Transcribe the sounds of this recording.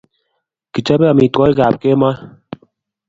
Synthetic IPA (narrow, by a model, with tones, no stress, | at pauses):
ki˨t͡ʃa˦bɛ˦a˨mi˨tɔ˦i˦ɡa˨p̚ke˦ma˦